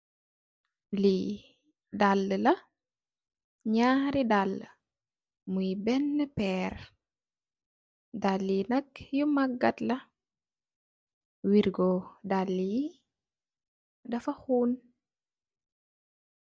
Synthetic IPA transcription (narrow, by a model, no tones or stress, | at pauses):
li | dalːəlɐ | ɲaːhɾidalːə | mujbɛnːəpɛːr | dalːinɐkjumɐɡːɐtlɐ | wiɾɡɔdalːi | dɐfɐxuːn